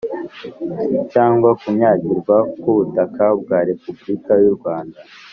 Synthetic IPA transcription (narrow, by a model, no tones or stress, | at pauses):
caːŋɡwakuɲaːɟiɾɡwakuβutakab̚ɡaːɾe̞publikajuɾɡwaːnda